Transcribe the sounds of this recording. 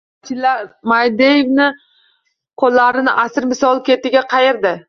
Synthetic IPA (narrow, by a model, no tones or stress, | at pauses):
t͡ʃʰɪlaɾmajd̪ejevnɪ | qʰolːaɾɪnɪʔasɪɾmɪsɒlˠkʲe̞t̪ɪɡʲaqʰɑjeɾd̪ɪ